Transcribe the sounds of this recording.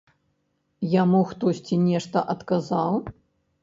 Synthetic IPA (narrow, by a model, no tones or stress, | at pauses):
jamuxt̪ɔsʲt͡sʲinʲɛʂt̪ɐʔɐt̪kazaw